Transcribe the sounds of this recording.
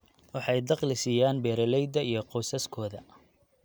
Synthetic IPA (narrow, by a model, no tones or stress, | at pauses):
wɑħɑjd̪ɑqlɪsɪjaːnbɛːɾɐlɛjd̪ɐijɞqɔwsɐskʰɔːðɐ